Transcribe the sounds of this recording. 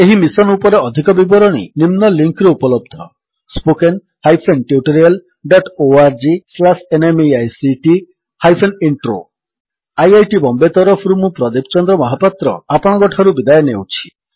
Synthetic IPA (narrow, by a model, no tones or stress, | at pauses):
eɦimisɔnupɔɾeɔd̪ʱikɔbibɔɾɔɽ̃ḭnimnɔliŋkɾɔupɔlɔb̚d̪ʱɔ | spoken | hajpʰenʈiuʈoɾial | ɖɔʈoaɾd͡ʒislasenemeajsiʈi | hajpʰeniɳʈɾo̰ | ajajʈibɔmbet̪ɔɾɔpʰɾumũpɾɔd̪ep̚t͡ʃɔnd̪ɾɔmɔɦapat̪ɾɔ̰apɔɽ̃ɡɔʈʰaɾubid̪ajɔnewt͡ʃʰi̥